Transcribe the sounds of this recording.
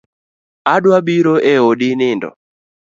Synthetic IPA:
aɗwaɓiɾoʔɛoɗɪnɪndɔ̰

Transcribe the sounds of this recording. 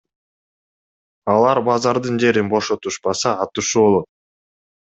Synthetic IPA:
ɑlˠɑɾbɑzɑɾd̪ɯnd͡ʒe̞ɾinbo̞ʃo̞t̪uʃpɑsɑːt̪uʃubo̞lˠot̪̚

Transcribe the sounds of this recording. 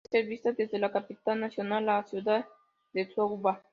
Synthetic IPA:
seɾvist̪ad̪ezd̪elakapit̪alnasionalasjud̪a | d̪et͡suauba

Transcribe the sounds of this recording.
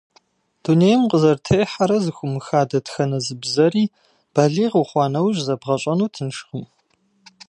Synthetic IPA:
d̥uneːjmqʼəzɐrtʰejħaɾɐzɨxʷʊmɨxaːdɐtxɐnɐzɨbzɐriː | b̥ɐɮiːʁuχʷɑːnɐwʑʼzɐbʁɐɕʼɐnuːtʰɨnʂχəm

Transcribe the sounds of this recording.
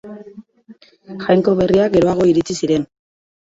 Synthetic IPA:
xajŋko̞βe̞riaɡe̞ɾo̞aɣ̞o̞iɾit͡sisiɾe̞n

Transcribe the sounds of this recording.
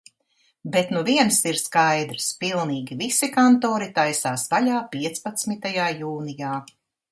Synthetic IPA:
bet̪nuviɛnsiɾskajd̪ɾspilˠniːɡʲivisikant̪oːɾit̪ajsaːsvalaːpiɛt̪spat̪smit̪ajaːjuːnijaː

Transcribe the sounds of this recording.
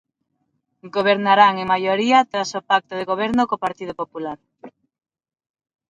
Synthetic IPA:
ɡoβ̞eɾnaɾaŋeŋmajoɾiat̪ɾasopak̚t̪oð̞eɣoβ̞ɛɾnokopaɾt̪ið̞opopulaɾ

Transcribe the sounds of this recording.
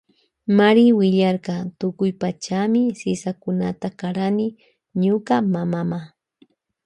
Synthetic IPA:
maɾɪwɪʎɑɾqɑt̪ʊkʊjpat͡ʃamɪsɪsakʊnat̪akaɾanɪ | ɲʊkamamama

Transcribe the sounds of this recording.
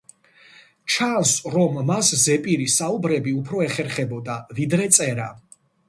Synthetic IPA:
t͡ʃʰansɾɔmːaszɛpʼiɾisaubɾɛbiupʰɾɔɛχɛɾχɛbɔd̪avid̪ɾɛt̪sʼɛɾa̰

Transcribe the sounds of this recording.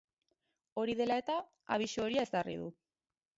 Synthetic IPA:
o̞ɾiðe̞lae̞t̪a | a̰β̞isuoɾiae̞zt̪arḭð̞u

